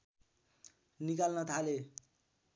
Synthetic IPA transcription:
nikalnʌt̪ʰale

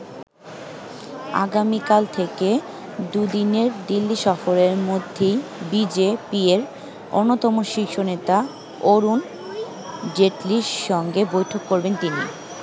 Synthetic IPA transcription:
a̰ɡamikalt̪ʰeke | d̪ud̪ineɾd̪ilːiʃɔfoɾeɾmod̪ʱːejbid͡ʑepieɾ | o̰nːot̪ɔmoʃikʃonet̪a | oɾun | d͡ʑeʈliʃʃɔŋɡebojʈʰokːoɾbent̪inḭ

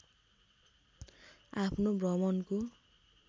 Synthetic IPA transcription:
apʰnobrʌmʌnko

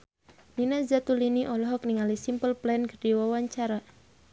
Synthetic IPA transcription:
ninazat̪uliniʔɔlɔɦɔk̚niŋalisimpəlplɛnkərdiwawaɲt͡ʃaɾa

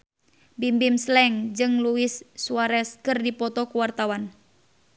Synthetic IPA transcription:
bimbimslɛŋd͡ʒɨŋluisːuaɾɛskɨrdipɔt̪ɔkuwart̪awan

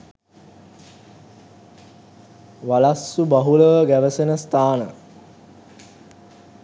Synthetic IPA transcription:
ʋalasːubaɦuləʋəɡæʋəsenəst̪aːnə

